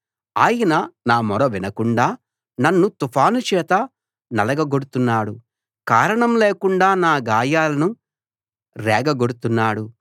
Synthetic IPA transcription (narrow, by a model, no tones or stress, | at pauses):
aːjinɐnaːmɔɾɐʋinɐkuɳɖaː | nɐnːut̪upʰaːnut͡ʃɛːt̪ɐ | nɐlɐɡɐɡoɽut̪unːaːɽu | kaːɾɐɳɐmleːkuɳɖaːnaːɡaːjaːlɐnu | ɾɛːɡɐɡoɽut̪unːaːɽu